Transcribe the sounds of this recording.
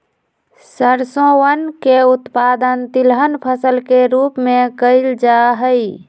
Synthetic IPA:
səɾsõwənkeut̪pad̪ənt̪ilɦənpʰəsəlkeɾupmẽkəɪld͡ʒaɦəj

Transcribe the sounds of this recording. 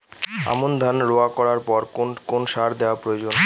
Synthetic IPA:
a̰mond̪ʱanɾoakɔɾaɾpɔɾokonʃaɾd̪eoapɾojod͡ʑon

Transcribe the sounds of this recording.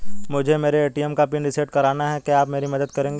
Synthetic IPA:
mʊd͡ʒʱemeːɾeːʈiɛmkapɪɳɖɪseːɖkɐɾaːnaɦɛkeaːpmeːɾimɐd̪ət̪kɐɾẽːŋɡeː

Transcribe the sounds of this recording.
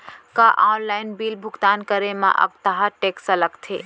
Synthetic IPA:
kaʔaːnlaːɪnbiːlbʱʊɡt̪aːnkəɾemã̰ʔə̰k̚t̪əɦaʈeːksələkt̪ʰe

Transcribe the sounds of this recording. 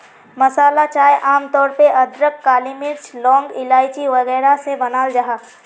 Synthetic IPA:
mɐsaːlat͡ʃaːjʔaːmt̪ɔːɾpeʔɐd̪ɾəkkːaːlimɪɾt͡ʃlɔ̃ːŋɡɪlaːjt͡ʃiʋɐɣɛːɾasebɐnaːld͡ʒaɦaː

